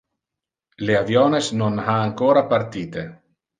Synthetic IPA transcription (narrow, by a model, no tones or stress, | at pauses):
leavjɔːnesnonaːŋkoːɾapart̪iːt̪e